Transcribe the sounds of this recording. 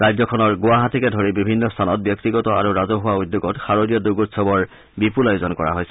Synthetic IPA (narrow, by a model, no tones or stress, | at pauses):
ɹajzɔkʰɔnɔɹɡʊwaɦatikɛdʱoɹibibʱinːɔstʰanɔt̚bjɔk̚tiɡɔtɔa̰ɹuɹazɔɦʊwaud̪ːoɡɔtxaɹodijɔduɡutsɔbɔɹ | bipulajuzɔnkɔɹa̰ɦojsɛ